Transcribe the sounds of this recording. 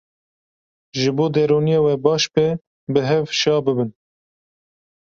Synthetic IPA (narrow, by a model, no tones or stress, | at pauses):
ʒɨboːd̪ɛɾoːnijeːwɛbɑːʃbɛ | bɨɦɛvʃɑːbɨbɨn